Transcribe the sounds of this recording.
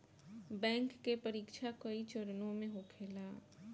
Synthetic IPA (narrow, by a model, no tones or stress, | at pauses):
bɛ̃ːŋkːepəɾiːkʃʰakəit͡ʃʊɾənõmẽɦoːkʰeːlaː